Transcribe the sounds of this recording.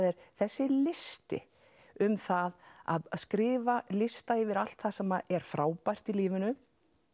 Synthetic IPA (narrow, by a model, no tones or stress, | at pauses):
ðɛɾ̥θɛsːɪlɪst̪ɪ̰ | ʏmθaða̰ðskɾɪːvalɪst̪aɪvɪɾal̥t̪θasɛmːaʔɛɾ̥fɾaːwpajr̥t̪iliːvɪnʏ